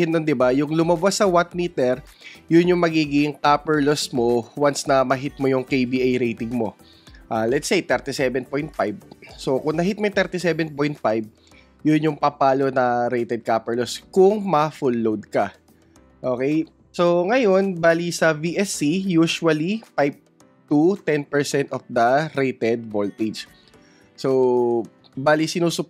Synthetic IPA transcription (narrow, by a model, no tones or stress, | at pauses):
ɪnːond̪ɪbajʊŋlʊmɐbasːɐwat̪̚miːt̪ɛɾ | jʊnjʊŋmɐɡiːɡɪŋkaːpɛɹlosmo̞wansnɐmɐɦɪt̪̚mo̞jʊŋkejbiʔajɾejt̪ɪŋmo̞ | ʔaːlɛt̪sejt̪ɛɾt̪ɪsɛbɛnpojnt̪̚fajb̚sokʊŋnɐɦit̪̚mojt̪ɛɾt̪ɪsɛbɛnpojnt̪̚fajb̚ | jʊnjʊŋpɐpaːlo̞nɐɾejt̪ɛd̪̚kaːpɛɹloskʊŋmɐfulːowd̪̚kɐ | ʔoːkɛj | so̞ŋɐjo̞nbaːlisɐviʔɛsijuːʃuwɐlipajp̚ | t̪ut̪ɛnpɛɹsɛnt̪ɔfd̪ɐɾejt̪ɛd̪̚volt̪id͡ʒ | so | baːlisɪnuːsʊp̚